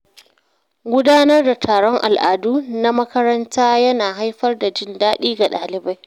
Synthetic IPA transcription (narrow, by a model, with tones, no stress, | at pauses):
ɡʷʊ˦daː˦nɐ˦rda˨tʰaː˨ɽɔ˦ŋʔa̰˨lʔaː˨duː˦na˦mɐ˦kɐ˦ɾɐ˦ntaː˦jɐ˦naː˨ɦa˦jɸɐ˦rda˨d͡ʒɪ˦ndaː˦ɗiː˦ɡa˨ɗaː˨lɪ˨ba˦j